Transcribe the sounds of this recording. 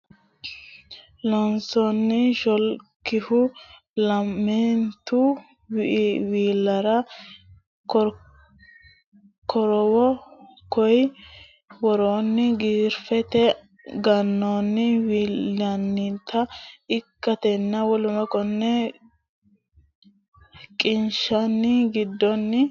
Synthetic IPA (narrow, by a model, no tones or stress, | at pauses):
lɔnsɔnːɪʃɔlkːɪhʊ | lɐmːent̪u | wʔwiːlːɐɾɐ | kɔ | kʰɔɾɔwɔ | kɔj | wɔɾoːnːɪɡiːɾfɛt̪ɛ | ɡɐnːoːnːɪwiːɐnːɪnt̪ʰːɐɪkːɐt̪ɛnːɐwɔlʊmɐkʼɔnːɛ | kʼɪnʃɐnːɪɡɪd̪ːɔnːɪ